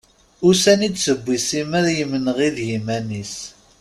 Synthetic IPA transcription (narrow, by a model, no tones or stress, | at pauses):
ʊsænid̪səbːisiməɾjəmənəʁiðjimænis